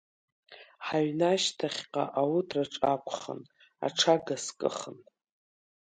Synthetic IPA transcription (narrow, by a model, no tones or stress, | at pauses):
ħaɥnaʃtʰaχʲqʼa̰ʔawutʰraʈ͡ʂʼakʷʰʼχə̰n | a̰ʈ͡ʂʰaɡaskʼɨ̰χən